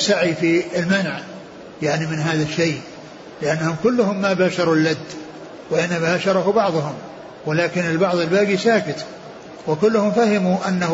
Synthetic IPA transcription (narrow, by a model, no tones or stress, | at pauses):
saʕifiɪlmanʕ | jaʕnimɪnɦaːðaʃːej | lɪʔanːahʊmkʊlːʊhʊmːabaːʃɑɾˤulːad̪ː | wɪʔɪnːabaːʃɑɾˤɑɦʊbɑʕðˤʊhʊm | wɪlaːkɪnɪlbɑʕðˤɪlbaːɡisaːkɪt̪ | wɪkʊlːʊhʊmfahɪmuʔanːah